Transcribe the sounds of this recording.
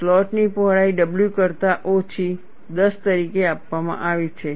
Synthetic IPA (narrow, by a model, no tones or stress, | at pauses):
flɔʈnipɔɦɭaiɖəbljukəɾt̪aʔot͡ʃʰi | d̪əst̪əɾikeapʋamã̰ʔaʋit͡ʃʰe